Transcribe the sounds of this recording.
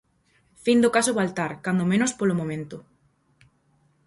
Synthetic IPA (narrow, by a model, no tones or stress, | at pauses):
find̪okasoβalt̪aɾkand̪omẽnospolomõmẽnt̪o